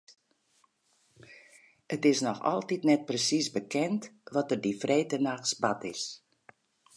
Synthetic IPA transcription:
ətɪsnɔxɔ̰lˠtitnɛt̚prəsisbəkɛntʋɔtərdifreːtənaxsbatɪs

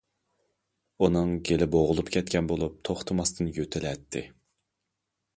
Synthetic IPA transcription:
unɨŋɡʲelɪboʁʊlˠupkʲʰɛt̪̚kʲɛnbolˠup̚t̪ʰoχt̪ʰɨmɑst̪ʰɨnjøt̪ʰɪlɛt̪ʰːɪ̰

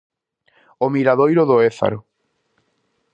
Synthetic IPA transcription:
omiɾaðojɾoðoeθa̰ɾo

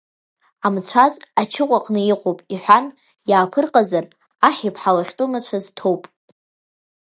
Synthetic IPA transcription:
amt͡ɕʷʰazat͡ʃʰɪqʷʼaqʼnɨiqʷʼopʼiħʷᶣan | jaːpʰɨrqʼazar | aħʲipʰħalaχʲtʼumat͡ɕʷʰaztʰo̞wpʼ

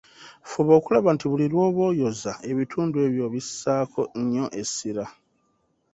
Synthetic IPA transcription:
fuβo̞ːkulaβantiβulilwo̞ːβo̞ːjo̞zae̞βitʰuːndue̞ːβjo̞βisːaːkʰo̞ɲːo̞ʔe̞siɾa

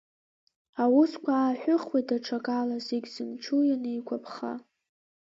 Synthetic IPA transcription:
awʊskʷʰaaːħʷᶣʊχwedaʈ͡ʂʰakʼalazeɡʲzɨmt͡ʃʰujanɨikʷʰapʰχa̰

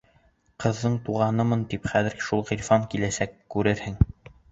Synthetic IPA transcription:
qɤ̆ðːɤɴt̪uʁɑnɤmɤnt̪ipχæðɘ̆ɾʃulˠʁiɾʲfɑŋkilæsækːʉɾɘɾhɘŋ

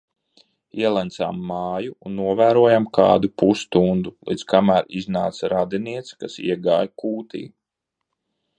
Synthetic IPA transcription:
iɛlˠant̪sa̰mːaːjuunːuɔvæːɾuɔjamkaːd̪upust̪und̪ulˠḭd̪zkamæːɾiznaːt̪sɾad̪iniɛt̪skasḭɛɡaːjkuːt̪ḭː

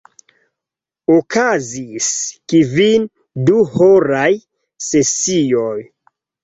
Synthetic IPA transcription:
okʰaziskivin | duhoɾaj | se̞sioj

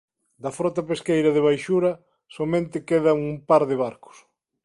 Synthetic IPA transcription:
d̪ɐfɾɔt̪ɐpeskejɾɐðɪβ̞ajʃuɾɐ | somẽnt̪ɪkeðɐŋumpaɾðɪβaɾkʊ̥s

